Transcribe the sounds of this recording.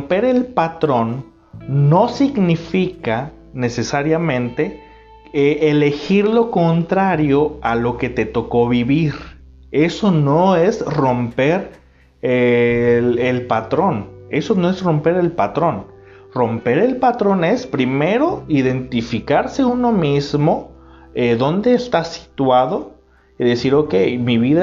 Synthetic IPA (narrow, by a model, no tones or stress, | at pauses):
mpe̞ɾe̞lpat̪ɾo̞nː | o̞siɣnifika | ne̞se̞saɾjamẽ̞nt̪e̞ | eʔele̞xiɾlo̞kont̪ɾaɾjo̞alo̞ke̞t̪e̞t̪o̞ko̞βiβiɾ | e̞so̞noe̞sro̞mpe̞ɾ | e | elpat̪ɾo̞ne̞so̞no̞e̞sro̞mpe̞ɾe̞lpat̪ɾo̞n | ro̞mpe̞ɾe̞lpat̪ɾo̞ne̞spɾime̞ɾo̞iðe̞nt̪ifikaɾse̞uno̞mizmoeðo̞nd̪e̞ːst̪asi̥t̪waðo̞ | iðe̞siɾokejmiβiða